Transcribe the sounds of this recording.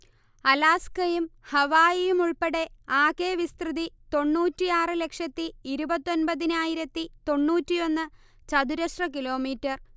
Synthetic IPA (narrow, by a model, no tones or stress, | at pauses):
ɐlaːskɐjumhɐʋaːjijumuɭpɐɽe̞aːkeːʋist̪rɨðit̪o̞ɳːuːtːijaːrɨle̞kʂɐt̪ːiiɾubɐt̪ːo̞nbɐðinaːjiɾɐt̪ːit̪o̞ɳːuːtːijo̞nːɨ | t͡ɕɐd̪uɾɐʂrɐk̬ilo̞ːmiːtːɐr